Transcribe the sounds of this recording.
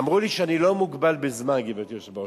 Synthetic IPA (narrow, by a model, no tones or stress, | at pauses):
mʁuliʃɛanilomuɡbalbezmanɡivet̪ioʃba